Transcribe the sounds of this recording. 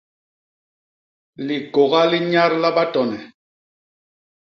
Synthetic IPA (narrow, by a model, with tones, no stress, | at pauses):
li˨ɡo˨ɣa˦li˦ɲa˦ɾla˦ɓa˦tɔ˨nɛ˨